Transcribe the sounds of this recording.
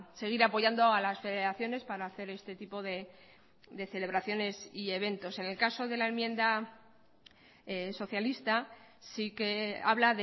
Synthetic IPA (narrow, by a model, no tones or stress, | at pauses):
se̞ɣ̞iɾapo̞ʝand̪o̞alasfe̞ðe̞ɾaθjo̞ne̞spaɾaːθe̞ɾe̞st̪e̞t̪ipo̞ðe̞ | d̪e̞θe̞le̞βɾaθjo̞ne̞sie̞β̞e̞nt̪o̞se̞ne̞lkaso̞ðe̞lae̞mjẽ̞nd̪a | so̞θjalist̪asike̞a̰βlaðe